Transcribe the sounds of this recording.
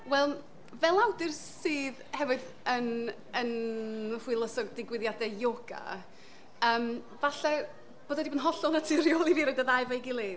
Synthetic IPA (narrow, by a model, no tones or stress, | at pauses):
wɛlˠ | vɛlˠawdɨrsɨːðhɛvɨð | ən | ənər̥wɨlˠəsɔɡ̚dɪɡwɪðjadɛjoɡa̰ | əːm | vaɬɛ | b̥oːdwɛdibɔnɦɔɬɔnatʰiɾjɔlˠiviɾɛdaðajvejɡɪlˠi